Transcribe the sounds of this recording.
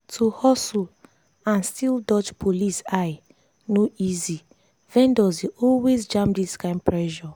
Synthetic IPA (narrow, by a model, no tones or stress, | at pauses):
tʰuhɔsul | ãnstildɔt͡ʃpʰolisaɪ | noizi | vɛ̃ndɔziʔɔlwezd͡ʒãmdiskãɪ̃mpɹɛʒɔ